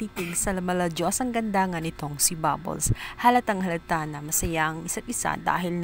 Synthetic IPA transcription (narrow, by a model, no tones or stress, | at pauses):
t̪iːt̪ɪɡsɐlɐmɐlɐd͡ʒoʔɐsɐŋɡɐnd̪aːŋɐnɪt̪o̞ŋsiba̰bo̰lshalɐt̪ɐŋhɐlɐt̪anɐmɐsɐjaʔɐŋɪsat̪̚ʔɪsa̰d̪a̰ːɦɪln